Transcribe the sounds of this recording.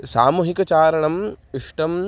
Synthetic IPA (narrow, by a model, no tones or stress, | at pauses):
saːmuːɦikɐt͡ʃaːɾɐɳɐmiʂʈɐm